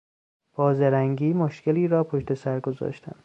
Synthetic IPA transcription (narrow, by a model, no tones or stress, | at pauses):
b̥ɒːzeɾæŋɡiːmoʃkʰeliːɾɒːpʰoʃt̪e̞sæɾɡozɒ̰ːʃt̪ʰæ̰n